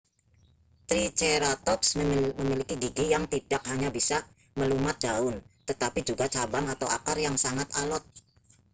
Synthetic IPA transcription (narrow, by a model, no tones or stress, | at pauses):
t̪ɾit͡ʃeɾat̪ɔksməməmilikiɡiɡijaŋt̪iɖ̥ak̚haɲabisa | məlumat̪̚d͡ʒ̥aʊnt̪ət̪apid͡ʒuɡat͡ʃabaŋat̪awa̰karjaŋsaŋat̪alɔt̪̚